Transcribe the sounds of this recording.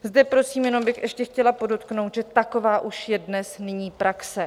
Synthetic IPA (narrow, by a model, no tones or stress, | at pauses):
zdɛpɾo̞siːmjɛno̞mbɪxɛʃcɛxcɛlapo̞dot̪knowt̪ʒɛt̪ako̞vaːʔuʃjɛdnɛsnɪɲiːpɾaksɛ